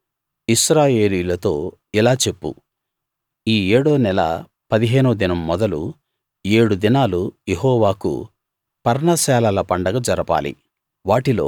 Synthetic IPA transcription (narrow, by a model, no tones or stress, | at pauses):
isɾaːje̞ːliːjulɐt̪o̞ː | ilaːt͡ʃe̞pːṵ | iːeːɽoːnɛlɐ̰ | pɐd̪iɦe̞ːnud̪inɐmːɔd̪ɐlu | e̞ːɽud̪inaːlujeɦɔːʋaːkṵ | pɐɾnasɛːlɐlɐpɐɳɖɐɡɐd͡ʒɐɾɐpa̰ːlḭ | ʋaːʈilo̞̰ː